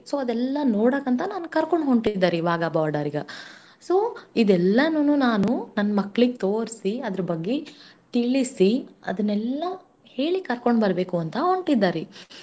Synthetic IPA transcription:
soːɐd̪ɛlːɐnoːɽɐːkɐnt̪ɐnaːnukɐɾkoɳɖɦoɳʈid̪ːaːɾeʋaːɡabaːɾɖɐɾiɡɐ̰ | so̞ːid̪ɛlːɐnɐnunaːnunɐnːɐmɐkːɭiɡet̪oːɾsiɐd̪ɐɾɐbɐɡːe | ʈiɭːisiɐ̰d̪ɐnːɛlːɐ | he̞ːɭikɐɾkoɳɖbɐɾbe̞ːkuɐnt̪ɐɦoɳʈid̪ːaːɾe

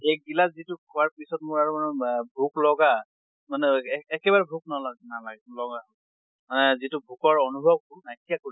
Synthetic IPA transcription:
ejk̚ɡilatzitʊkʰuwaɹpisɔtmʊɹaɹumanɛbʱuklɔɡa | manɛːkɛbaɹɛbʱuk̚nalaɡnalaɡɛlɔɡa | manɛzitʊbʱukɔɹɔnubʱɔb̚kʊnajtijakoi

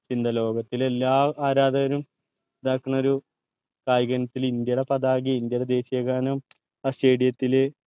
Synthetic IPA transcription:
t͡ɕind̪ʱɐlo̞ːɡɐt̪ːilelːaːaːɾaːd̪ɐɐɾum | ed̪aːkːuɳɐoɾu | kaːjɡɐnɐt̪ːilind̪jɐɽepɐd̪aːɡiind̪jɐɽed̪e̞ːɕijɐɣaːnum | ɐseːɽijɐt̪ːilɨ

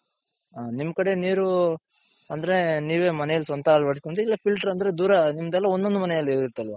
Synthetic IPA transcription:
aːnimːɐkɐɽe̞niːɾu | ɐnd̪ɐɾe̞niːʋe̞ːmɐnɛjɐlisɐnt̪ʰɐːlʋɐɽiskoɳɖeilːɐpilʈɐɾɐnd̪ɐɾe̞d̪uːɾɐnimːɐd̪ɛlːɐond̪o̞nd̪umɐnɛjɐlːeːɡiɾt̪ːɐlʋɐ

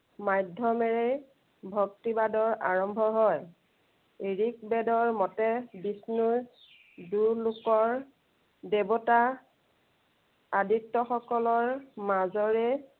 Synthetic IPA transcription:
majdʱɔmɛɹe | bʱɔk̚tibadɔɹʔa̰ɹɔmbʱɔɦɔj | eɹik̚bɛdɔɹmɔtɛbisnuɹ | duɹlʊkɔɹ | dɛbɔta | aditːɔxɔkɔlɔɹmazɔɹɛ

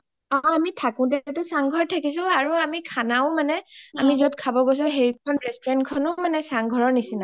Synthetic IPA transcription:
ɔamitʰakʊ̃tɛtʊsaŋɡʱɔɹtʰakis̬ɔ̃aɹuamikʰanaʊ̃manɛamizotkʰabɔɡos̬ɔ̃ɦeɹikʰɔnɹɛstɔɹɛntkʰɔnʊmanɛsaŋɡʱɔɹɔɹnisina

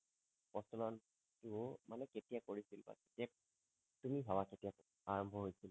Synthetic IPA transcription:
pɔsɔlɔn | tʊmanɛketijakoɹisilba̰ketija | tumiɦawaketijak | aɹɔmbʱɔɦojsil

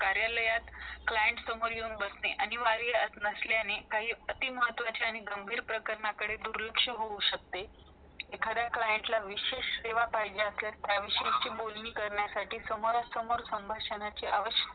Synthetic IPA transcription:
kaɾjaləjat̪klajəɳʈsəmoɾjeunbəsneʔañiʋaɾijəsnəsljanekaɦiːət̪iməɦət̪ːʋat͡ɕaaɽ̃iɡəmbʱiːɾpɾəkəɾɳakəɽed̪uɾlukʂəɦouɕək̚t̪e | ekʰad̪jaklajəɳʈlaʋiɕeɕeʋapaɦd͡ʑeəsljaɾt̪jaʋiɕeit͡ɕiːbolniːkəɾɳjasaʈiːsəmoɾasəmoɾsəmbʱaɕənat͡ɕiʔaʋəɕə

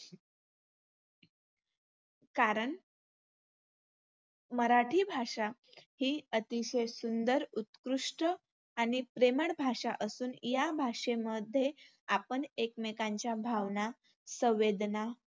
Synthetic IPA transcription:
kaɾəɳ | məɾaʈʰiːbʱaʂahiːət̪iɕesund̪əɾut̪kɾuʂʈə | aɽ̃ipɾemaɽbʱaʂaʔəsuːnjabʱaʂeməd̪ʱːje | apəɳekmekaɲt͡ɕjabʱaʋna | sə̃ʋed̪na

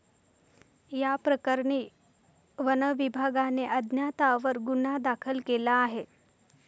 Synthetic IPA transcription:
japɾəkəɾɳ̃iː | ʋənəʋibʱaɡaneʔəd̪ʱnjat̪aʋəɾɡunad̪akʰəlkelaːɦe

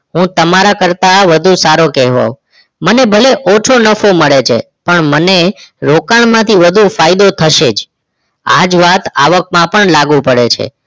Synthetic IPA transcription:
ɦũt̪əmaɾakəɾt̪aʋəd̪ʱũsaɾokɛɦʋo̰ | mənebʱəleʔɔt͡ʃʰonəfoməɭet͡ʃʰḛ | pəɳməneɾokaɳmãt̪ʰiʋəd̪ʱũfajd̪ot̪ʰəʃed͡ʒ | a̰d͡ʒʋat̪aʋək̚mãpəɳlaɡũpəɽet͡ʃʰḛ

